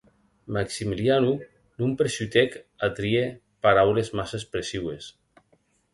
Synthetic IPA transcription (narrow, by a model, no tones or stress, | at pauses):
maksimiljanu | numpɾesut̪ɛkat̪ɾie | paɾawlezmasespɾesiwes